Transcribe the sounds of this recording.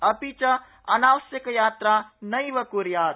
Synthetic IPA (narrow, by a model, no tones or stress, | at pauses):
ɐpit͡ʃɐ | ɐnaːʋəsjəkjaːt̪ɾanəjʋəkuɾjaːt̪